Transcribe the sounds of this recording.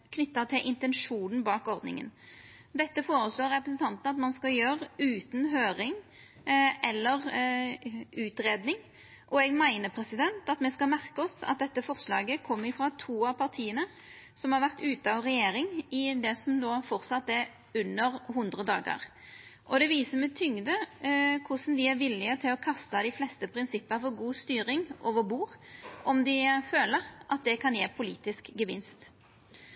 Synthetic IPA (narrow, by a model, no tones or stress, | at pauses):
kʰnʏt̪ːət̪ʰɪlʔɪnt̪ɛnʂuːnn̩bɑːkɔʁd̪nɪ̰ŋə̰n | d̪ɛt̪ːəfoːɾəsloːɾɛpɾəsnt̪ʰɑnt̪n̩ɑt̪mɑnskɑljøːʁʉːt̪n̩ɦøːɾɪŋ | ʔɛlːəʁ | ʉːt̪ɾeːd̪nɪŋ | ʔɔɛɡmæɪnəpʰɾɛsɪd̪ɛnt̪ɑt̪mɛskɑlmæʁkəɔsɑ̰t̪̚d̪ɛt̪ːəfɔʁslɑ̰ːɡəkʰɔmːəɾɪfɾɑt̪ʰuːɑpʰɑʁt̪ʰiːənə | sɔmhɑɾʋæʁt̪ʉːt̪əɑʋʁɛjeːɾɪŋɪd̪ɛsɔmd̪oːfɔɾsɑt̪ːɛɾ | ʉnːəɾɦʊnd̪ʁəd̪ɑ̰ːɡə̰ɾ | ʔɔd̪ɛʋiːsəmɛt̪ʰʏŋd̪əkʰʊsn̩d̪ɪæɾʋɪlːɪət̪ʰɪlɔkʰɑst̪əd̪ɪflɛst̪əpʰɾɪnsɪpːəfɔɾɡuːst̪yːɾɪŋʔɔːʋəɾbuːɾʔɔmd̪ɪføːləɾʔɑt̪̚d̪ɛkʰɑnjeːpʰʊliːt̪ɪskɡəʋɪ̰nst̪